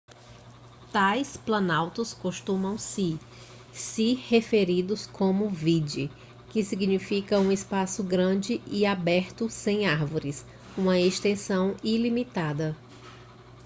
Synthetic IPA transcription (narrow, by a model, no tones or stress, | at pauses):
t̪ajsplɐ̃nawt̪ɐskoʃt̪ũmɐ̃w̃sɪ | sɪhefeɾid̪ʊskʰõmʊvid͡ʒi | kɪsiɡnifikɐũespasʊɡɾɐ̃d͡ʒɪʔiabɛɾt̪ʊsẽj̃aɾvoɾɪs | ũmɐeʃt̪ẽsɐ̃w̃ilimit̪ad̪ɐ